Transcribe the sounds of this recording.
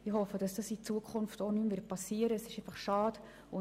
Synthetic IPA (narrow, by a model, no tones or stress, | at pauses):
ɪhɔfəd̥ɑsd̥ɑsit͡suəkʰχʊnftonymvɪɐt̚pɑsiəɾəɛsɪʃefɑχʃɑːd̥ | ʊ